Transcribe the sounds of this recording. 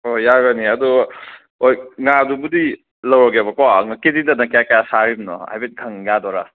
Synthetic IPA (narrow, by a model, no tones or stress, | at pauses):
ojaɡɐniɐdɔ | ojŋadubudi | lɐwɾɔɡebɐkɔŋakedidɐnakejakajasaɾimnɔ̰a̰jbet̚ɡʰʱɐŋɡadɔɾa